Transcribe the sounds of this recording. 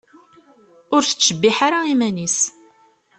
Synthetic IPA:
ʊɾθə̥t͡sːəbːiħaɾaimænis

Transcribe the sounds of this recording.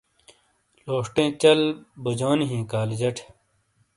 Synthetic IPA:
loːʂʈẽːt͡ɕɐlbud͡ʑoːnɦĩːkaːld͡ʑɐʈʰ

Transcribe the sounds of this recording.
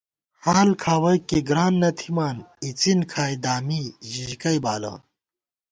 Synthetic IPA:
haːlkʰaːwɐjkeɡɾaːnːɐt̪ʰimaːnit͡sinkʰaːjd̪aːmiʑiʑkɐjbaːla̰ːn

